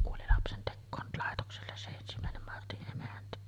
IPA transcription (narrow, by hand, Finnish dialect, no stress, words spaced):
kuoli lɑpsentekːoːn lɑˑetokselːes se ensimæˑenem mɑrtiʔ ʔemæntæ